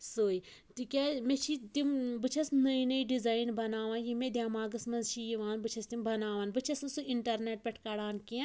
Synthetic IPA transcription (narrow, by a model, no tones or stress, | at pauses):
soːi | t̪ikʲaːmẽt͡ʃʰit̪imbɨt͡ʃʰɐsnɐinəiɖizaːinbɐnaːʋãːnjimẽd̪jaːmaːɡɐsmɐnzt͡ʃʰijiʋaːnbɨt͡ʃʰɐst̪imbɐnaːʋaːnbɨt͡ʃʰɐsnsuiɳʈɐɾneːʈ̚pʲɛʈʰkaɽaːnkĩ